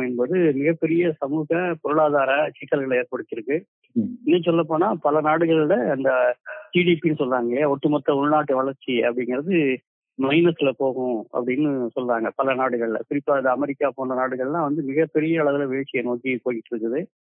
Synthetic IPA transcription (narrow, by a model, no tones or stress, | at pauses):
ɛnboːðɯmɪɣɐpːɛɾɪjɐsɐmuːɣɐpɔɾɯɭaːðaːɾɐt͡ʃɪkːɐlɣɐɭeːɾpɐɽɯt̪ːɪɾɯkːɯ | ɛnːɐsɔlːɐp̬ːoːnaːpɐlɐnaːɽɯɣɐɭlɐɐnd̪ɐd͡ʒiːɽiːpinːɯsɔlːɾaːŋɡɐɭjɐɔʈːɯmɐt̪ːɐʊɻnaːʈːɯʋɐɭɐɾt͡ʃːiɐ̰pːɐɽɪŋɡɪɾɐðɯ | mɐɪnɐsɪlɐpoːɣʊ̃ɐ̰pːɐɽɪnːɯsɔlːɾaːŋɡɐpɐlɐnaːɽɯɣɐɭɐ̰pɪɾɪpːaːɐnd̪ɐɐmɛɾɪkːaːpoːɳrɐnaːɽɯɣɐɭlãːʋɐnd̪ɯmɪɣɐpːɛɾɪjɐɪɭɐðɪlɐʋeːɭt͡ʃːɪjɐnoːkipoːjɪʈːɾɯkːɯðɯ